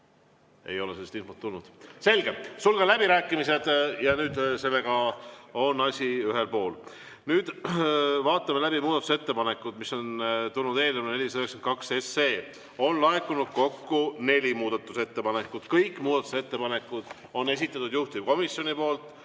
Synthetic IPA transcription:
e̞̰jo̞leselːst̪ilfot̪ːulnud̪̥se̞lɡ̥e̞sulɡ̥ɑlæbiɾæːkːˑimise̞d̪̥jɑnyːd̪̥se̞lːe̞ɡ̥ɑo̞nɑsʲiyɦe̞lpo̞ːl | nyːd̪̥ | vɑːt̪ːˑɑmelæbimuːd̪̥ɑt̪use̞t̪ːe̞pɑne̞kːˑud̪̥misːo̞nt̪ulnud̪e̞ːlnemnene̞lʲisɑøheksent̪̚kɑksesːe̞ː | o̞nlɑekːunud̪̥̚ko̞kːune̞lʲimuːd̪̥ɑt̪ːˑuse̞t̪ːe̞pɑne̞kːˑud̪̥kɤjkːˑmuːd̪ɑt̪ːˑu̥se̞t̪ːe̞pɑne̞kːˑud̪̥ | o̞ne̞s̬it̪ːˑɑt̪ːud̪̥juht̪iko̞misjo̞nipo̞ːlt̪ˑ

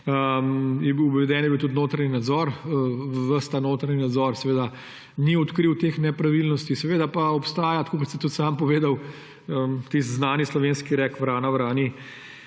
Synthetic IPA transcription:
əmjɛbiwbʋɛd̪ɛːnjɛbiwt̪ut̪noːt̪ɾaninad̪zɔɾəʋəst̪anoːt̪ɾaninad̪zɔɾsɛʋeːd̪a | niɔt̪kɾiwt̪eːxnɛpɾaʋilnɔst̪isɛʋeːd̪apaɔpst̪aːjat̪kʰokɔt̪sɛt̪ut̪sampɔʋeːd̪aw | ət̪ist̪znaːnislɔʋeːnskiɾɛkʋɾaːnawɾaːni

